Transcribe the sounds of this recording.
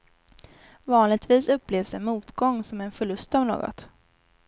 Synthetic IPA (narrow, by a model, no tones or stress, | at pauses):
vɑːnlɪɡ̚t̪viːsɵpːleːvsɛnmuːt̪ɡɔŋːsɔmɛɛnfœɭɵst̪ɔvno̰ːɡɔ̰t̪